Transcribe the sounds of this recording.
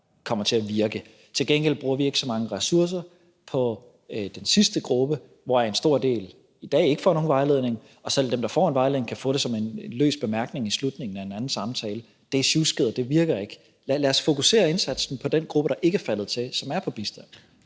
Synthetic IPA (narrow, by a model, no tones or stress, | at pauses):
kʰɒ̽m̰ɐt͡sʰe̝æʋiɐɡ̥ə | t͡sʰe̝lɡ̥en̰ɡ̥el̰b̥ʁuːɐʋie̝ɡ̥sɒ̽mɑ̈ŋəʁɛsuɐs̬ɐ | pʰɒ̽ | d̥ensisd̥əɡ̥ʁub̥ə | ʋɒæɐe̝nsd̥o̝ɐ̰d̥e̝̰ːl | id̥ɛ̰ːe̝ɡ̥ə̥fɒ̰ːno̝ːnʋɑ̈ɪle̝ðˠne̝ŋ | ɒ̽sel̰d̥emd̥ɑ̈fɒ̰ːenʋɑ̈ɪleð̩ˠe̝ŋkʰæfɔ̰̽ːɾ̥e̝sɒ̽me̝nlø̰ːsb̥e̝mæɐɡ̥ne̝ŋislud̥ne̝ŋn̩æe̝næn̩sɑ̈mt͡sʰɛːlə | d̥e̝ɕusɡ̥eð̰ˠɐd̥e̝ʋiɐɡ̥ɐe̝ɡ̥ | llæɐsfo̝kʰuse̝̰ːɐe̝nsæd̥sn̩pʰɒ̽d̥enɡ̥ʁub̥əɾ̥ɑ̈ʔe̝ɡ̥əæɐfælð̞̩ˠt͡sʰe̝sɒ̽mæɐpʰɒ̽b̥isd̥æn̰